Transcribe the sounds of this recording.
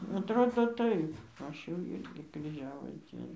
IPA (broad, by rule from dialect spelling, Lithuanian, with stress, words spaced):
ɐtˈroːdoː ˈtɐɪp ˈɐʃ jɛʊ ˈɪrʲɡʲɪ krʲiːˈʒʲæːʋoːs ˈd͡zʲiɛnoː